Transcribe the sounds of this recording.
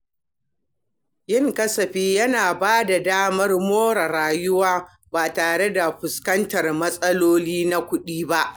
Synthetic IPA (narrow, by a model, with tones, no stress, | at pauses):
jɪ˦ŋkɐ˦sɐ˨ɸiː˦jɐ˦naː˨baː˦da˨daː˦mɐ˦rmoː˦ɽɐ˨ɾaː˨jʊ˦waː˦ | baː˨taː˨ɽe˦da˨ɸʊ˨skɐ˦ntɐ˨rmɐ˦sʼɐ˦loː˦liː˦na˦kʷʊ˦ɗiː˦ba˦ʔ